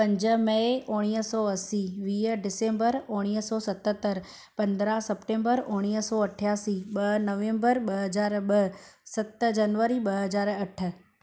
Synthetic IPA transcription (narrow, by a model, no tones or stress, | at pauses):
pə̃ɲd͡ʒəməeoɽ̃ijəsɔəsiʋiːəɖɪsẽmbəɾoɽ̃ijəsɔsət̪ət̪ːəɾ | pənd̪ɾasəpʈẽmbəɾoɽ̃isɔəʈʰjasiɓənəʋẽmbəɾɓəɦəd͡ʒaːɾbəsət̪d͡ʒənʋəɾiɓəɦəd͡ʒaːɾəʈʰːə